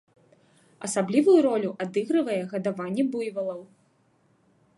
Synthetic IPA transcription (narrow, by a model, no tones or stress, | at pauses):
ɐsablʲivujuɾɔlʲuʔad̪ɨɣɾɨvɐjɛɣɐd̪avanʲːɛbujvɐlˠɐw